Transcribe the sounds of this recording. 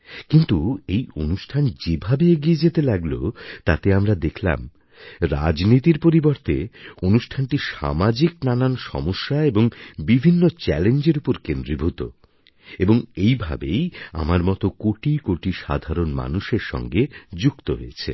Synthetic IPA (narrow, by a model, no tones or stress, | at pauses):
kint̪uejonuʃʈʰand͡ʑebʱabeeɡied͡ʑet̪elaɡlo̰t̪at̪eamɾad̪ekʰla̰m | ɾa̰d͡ʑnit̪iɾpoɾiboɾt̪eonuʃʈʰanʈiʃa̰mad͡ʑiknananʃɔ̰moʃːaeboŋbibʱinːot͡ɕɛlend͡ʑeɾupoɾkend̪ɾibʱut̪o̰ | eboŋejbʱa̰beja̰maɾmɔt̪okoʈikoʈiʃa̰d̪ʱaɾonma̰nuʃeɾʃɔ̰ŋɡed͡ʑukt̪oɦoet͡ɕʰḛ